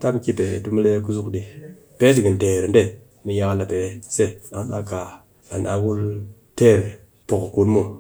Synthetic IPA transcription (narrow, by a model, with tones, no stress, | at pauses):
ta˦m˦ki˦pe˨tu˦m˦le˦ku˦su˦kɗi˨ | pe˦d͡ʒi˨ɡi˨n˨de˨ɾi˨nde˦˨ | mi˨ja˦ka˦la˨pe˨se˦˨a˨˦na̰˦ka˨ | a˨na˨wu˦l | te˦˨ɾ | po˨kku˦n˦mu˦